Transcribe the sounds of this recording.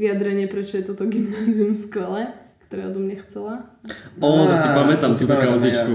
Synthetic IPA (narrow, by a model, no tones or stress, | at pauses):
ʋiad̪ɾɛɲɪɛpɾɛt͡ʃɔjɛt̪ɔt̪ɔɡimnaziumskʋɛlɛkt̪ɔɾɛːɔd̪ɔmɲɛxt͡sɛlaɔjasipamɛt̪amt̪uːt̪ɔkaʊzit͡ʃku